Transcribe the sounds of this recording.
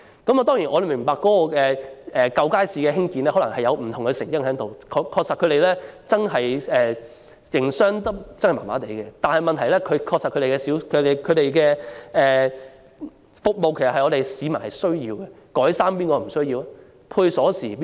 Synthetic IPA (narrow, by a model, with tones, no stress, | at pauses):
kɐ˨˥mɐ˨˧t̪ɔː˥ŋjiː˨˩nʔɔ˨˧le˨mɪ˨˩ŋpaː˨kːɔ˨˦˥kɔː˧kɛː˧ɛː˨kɐ˧wkaː˥jsiː˨˧kɛː˧hɪ˥ŋkiː˧nlɛː˥hɔ˨˥lɐ˨˩ŋhɐ˨jɐ˨˧wm̩˨˩t̪ʰʊ˨˩ŋkə˨˧sɪ˨˩ŋjɪ˥ŋɦɛ˨˥t̪o˨wkʰːkʰːɔː˧k̚sɐ˨t̚kʰɵ˨˧ɾe˨˩jlɛː˥t͡sɐ˥nɦɐ˨jɛː˨ | jɪ˨˩ŋsœː˥ŋt̪t͡snhma̰ː˨˩ma̰ː˨˥t̪e˨˩jkɛ˧t̪aː˨nhɐ˨jmɐ˨nt̪ʰɐ˨˩jlɛː˥kʰɵ˨˧kʰɔː˧ksa˨tkʰɵ˨˧te˨˩kɛ˧siː˨˥wkʰɵ˨˧˥e˨kʰɵ˨˧ɥɾe˨jkɛː˧ɛː˨ | fʊ˨k̚mo˨wke˨˩sɐ˨hɐ˨jŋɔː˨˧t̪e˨jsiː˨˧mɐ˨˩nhɐ˨jsɵ˥ɥjiː˧wkɛ˧kɔː˨˥jsaː˥mpiː˥nkɔː˧m̩˨˩sɵ˥ɥjiː˧w | pʰuː˧jsɔː˨˥siː˨˩pː